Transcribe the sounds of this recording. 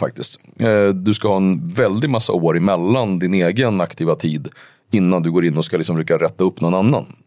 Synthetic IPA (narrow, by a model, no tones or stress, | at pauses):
fa̰k̚t̪ɪst̪ | d̪ɵskahɑːɛnvɛld̪ɪt̪masːa̰oːɾɪmɛlːand̪ɪneːɡənakt̪ʰiːvat̪ʰiːd̪ | ɪnːand̪ɵɡoːɾɪnːɔskalɪksɔmɾɛːkːaɾɛt̪ːaɵpːnɔnanːa̰n